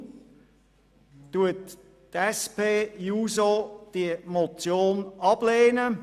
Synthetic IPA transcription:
tuət | tɛspeːjuːzod̥iəmɔt͡sjoːnɑb̥leːnə

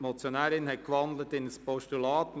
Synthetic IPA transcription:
mɔt͡sjonæːɾɪnhɛt̚kʋɑnd̪lətɪnəspɔʃtulɑːt

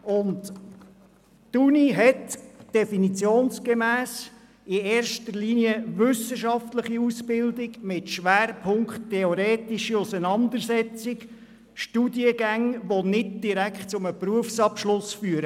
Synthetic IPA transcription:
ʊnt | tuniɦɛtd̥ɛfinit͡sjoːnsɡ̥emæːs | ɪeːɾʃtəɾliniəʋʏsəʃɑftləχiusbɪldɪɡmɪtʃʋæːɾpʰʊŋktʰːɛɔɾeːtiʃəʊsənɑnd̪əɾsɛt͡sɪk | ʃtudiəɡæŋʋonɪd̚d̥iɾækχtt͡sʊməpruəfsɑpʃlʊsfyːəɾə

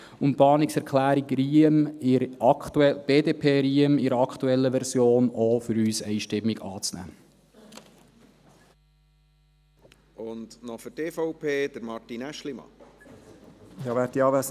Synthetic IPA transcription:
ʊnpɑːnɪksɛɾkʰlæːɾikɾiəmɪɾɑkt̪uɛb̥eːdeːpʰeːɾiəmɪɾəɑkχt̪uɛlːəʋɛɾsjoːnofʏɾyːsɛɪʃtɪmːiɡɑːt͡snæ̰ː | ʊnd̪nɔfəɾteːfɔʊpʰeːd̥̪əɾmɑɾtinæʃlimɑ̰ | ɪɑːʋæɾtiɑːʋæs

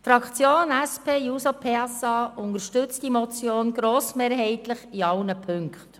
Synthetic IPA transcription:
fɾɑkt͡sjoːnæspʰeːjuːsopʰeɑsɑːʔʊnəɾʃtʏt͡stimɔt͡sjoːnɡɾoːsmeːɾɦɛɪtləχiɑwnəpʰʏŋkχt

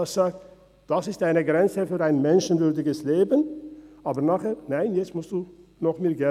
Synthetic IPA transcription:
asz̥aːk̚t | d̥asɪstaɪnəɡʁɛnt͡səfyːʁaɪnmɛnʃn̩vʏɐdɪɡəsleːbənʔaːbənaːχheːnaɪnjɛt͡stmʊstd̥uːnɔχmeːɡɛ

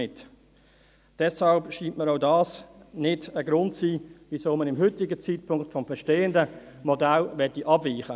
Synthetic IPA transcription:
ɪt | d̥ɛshɑlpʃiːntməɾadɑːsnɪdəɡɾʊntsiːvisoːmənɪmɦʏtɪɡət͡sit̚pʰʊŋktfɔmbɛʃteːəndə | mɔdalvɛtiʔɑbviːχə

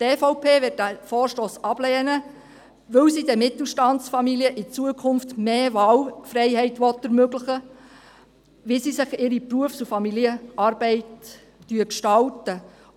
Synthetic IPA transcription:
tefɔʊpʰeːʋɪt̚d̥æfɔːrʃtoːsɑb̥lɛːnə | ʋɵwsidɛmɪt̪l̩ʃtɑnsfɑmiliəʔɪt͡suəkʰʊnftmeːʋɑːlfɾɛɪɦɛɪtʋɔt̪əɾmøɡlɪχə | ʋisisɪχɪɾipruəfsufɑmiliəʔɑːɾb̥ɛɪtː | yəkʃtɑltə

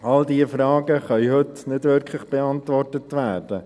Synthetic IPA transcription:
ɑldiəfɾɑːɡəχœʏɦɵtnɪdʋʏɾkʰlɪχb̥ɛɑntʋɔrtətʋæːrd̥ə

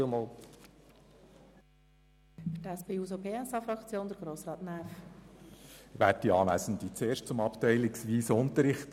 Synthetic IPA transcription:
mol | fətɛspeːuːsobeːɛsɑːfɾɑkt͡sjoːnd̥̪əɾɡ̥ɾoːsɾɑːtnæːf | ʋæːt̚diɑːlæ̰sn̩d̪it͡seːɾʃtt͡sʊmɑptɛɪlɪksʋiːsʊnt̪əɾɪχt

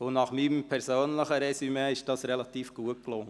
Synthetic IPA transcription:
ʊnɑχmimpʰɛɾsoːnləχəɾɛsymeɪʃd̥ɑːsɾɛlɑt̪iːfɡ̥uəklʊŋːə

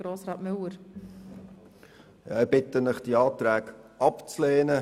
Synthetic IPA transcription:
ɾoːsɾɑːtmʏwəɾ | jɑ̰ːɪb̥ɪtənɪχd̥iɑːtɾæːkʔɑpt͡sleːnə

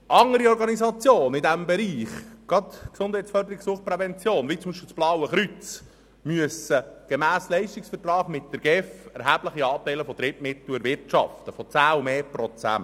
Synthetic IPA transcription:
ʔɑŋəɾiɔɾɡɑnizɑt͡sjoːnɪdæmbɛɾiːχɡ̥ɑt̪ksʊnd̥hɛjtt͡sfœrdəɾiksuːχpɾɛvɛnt͡sjoːnʋiːt͡sʊmiʃpɪlt͡sb̥lɑwəχɾyt͡s | myəsəɡ̥emæːslɛɪʃtiksfəɾtrɑːχmɪt̚d̥̪əɾɡ̥ɛfɛɾɦæːb̥ləχiɑːp̚tɛɪləfɔd̪̥ɾɪtmɪt̪luəɾʋɪɾtt͡ʃɑ̰ft̪əfɔt͡sæːumeːpɾɔt͡sæ̰nt

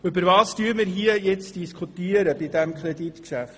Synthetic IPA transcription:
ʏbəɾvɑːstyːmɪɾɦiəjɛt͡sd̥iskʰutiəɾəbɪdɛmkχɾɛdit̪kʃæft

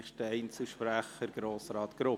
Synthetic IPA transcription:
χd̥əɛɪnt͡sɪʃpɾæχəɾɡ̥ɾoːsɾɑːt̪ɡ̥ɾʊ

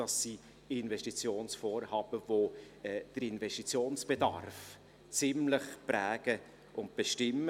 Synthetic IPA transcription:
ɑsːi | ɪnvɛʃtit͡sjoːnsfɔːɾhɑːb̥əvo | ɛːd̥əɾɪnvɛstit͡sjoːnsb̥edɑ̰ɾf | t͡sɪmləχpɾæːɡ̥ə | ʔʊnt̚b̥eʃtɪmːə

